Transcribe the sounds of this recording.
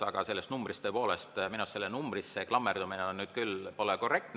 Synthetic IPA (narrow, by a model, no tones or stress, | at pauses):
ɑɡ̥ɑse̞lːe̞st̪numbrist̪øːpo̞ːle̞st̪minusse̞lːenumbrisːeklɑmːerd̪umineonnyːd̪̥̚kylpo̞leko̞rːe̞k̚t̪